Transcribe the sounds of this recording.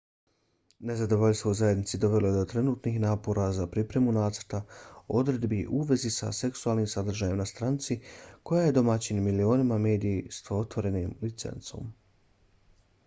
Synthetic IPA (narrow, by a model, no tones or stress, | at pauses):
ne̞zad̪o̞ʋo̞ʎʲst̪ʋo̞uzajed̪nit̪sid̪o̞ʋe̞lo̞je̞d̪o̞t̪ɾe̞nuːt̪nixnaːpo̞ɾazapɾipɾe̞munaːt̪səɾt̪ao̞d̪ɾe̞d̪biʔuːʋe̞zisa̰se̞ksuaːlniːmsad̪r̩ʒaːjemnast̪ɾaːnt̪siko̞jaːje̞d̪o̞mat͡ɕinmilio̞ːnimame̞ːd̪ijist̪ot̪ʋo̞ɾe̞nimlit̪se̞̰nt̪so̞̰ːm